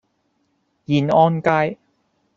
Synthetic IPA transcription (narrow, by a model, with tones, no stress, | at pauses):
ji˨˩nʔɔː˧nkaː˧j